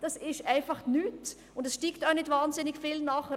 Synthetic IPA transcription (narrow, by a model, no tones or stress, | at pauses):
d̥ɑsɪʃtʔaɪnfɑχnyːt | ʊndɛsʃtiːktanɪçtvaːnzɪnɪçfiːlnaːχə